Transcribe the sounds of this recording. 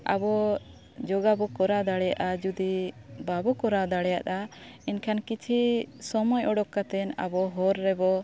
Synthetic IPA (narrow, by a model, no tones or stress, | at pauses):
a̰bɔ | d͡ʒɔɡabɔkɔɾad̪aɽɛjaʔad͡ʒud̪ibabɔkɔɾad̪aɽɛjat̪̚ainkʰankit͡ʃʰisɔmɔjʔɔɽɔkːat̪ɛna̰bɔɦɔɾːɛbɔ